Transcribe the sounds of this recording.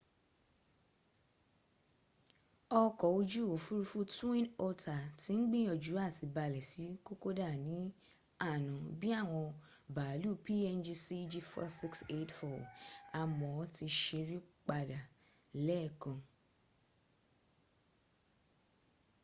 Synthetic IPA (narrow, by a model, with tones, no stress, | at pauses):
ɔ˧kɔ˨o˧d͡ʒu˦˨o˨fu˦ɾu˧fu˦tũ˦ĩ˦nɔ˧ta˨ti˨˦n̩˦ɡ͡bĩ˦ɔ˧˨d͡ʒu˨˦a˦˨si˨˧ba˧lɛ˨si˨˦ko˦ko˦da˦˨nĩ˨˦ | a˦˨nã˨bi˦a˦˨w̃ɔ̃˧ba˨lu˦˨pi˦ɛ˧nd͡ʒi˧si˦d͡ʒi˧fɔ̰˦si˦kse˦˨tfɔ˨a˨mɔ̃˨ɔ˦ti˧ʃe˧ɾi˦k͡pa˧da˨lɛ˦˨kã˨